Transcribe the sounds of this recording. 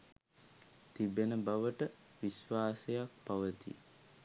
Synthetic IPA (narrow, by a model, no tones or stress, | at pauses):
t̪ibenəbaʋəʈə | ʋisʋaːsejak̚paʋət̪ḭ